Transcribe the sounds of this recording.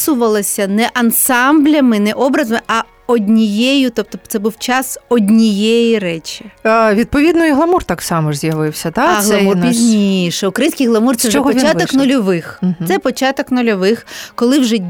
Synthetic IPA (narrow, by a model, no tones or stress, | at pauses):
sʊʋɐlˠɐsʲɐnɛʔɐnsɑmblʲɐmɪnɛʔɔbɾɐzɐmɪʔɐ | ɔd̪ʲnʲijejʊt̪ɔp̚t̪ɔt̪sɛbuwt͡ʃɑsɔdʲnʲijejiɾɛt͡ʃʲiʋʲid̪̚pɔʋʲid̪nɔiɦlˠɐmurt̪ɑksɑmɔʒzʲjɐʋɪwsʲɐt̪aɦlˠɐmurpʲizʲnʲiʃɛʊkɾɐjinsʲkijɦlˠɐmurt̪sɛwʒt͡ʃɛɦɔpɔʋʲit͡ʃat̪ɔknʊlʲɔʋɪxɛpɔt͡ʃɑt̪ɔknʊlʲɔʋɪxkɔlˠɪwʒɛ